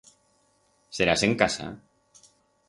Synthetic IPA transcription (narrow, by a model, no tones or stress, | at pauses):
seɾaseŋkasa̰